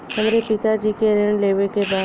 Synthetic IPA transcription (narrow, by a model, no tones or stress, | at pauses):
ɦəmɾepɪt̪ad͡ʒiːkeɾɪɳ̃leːʋekebaː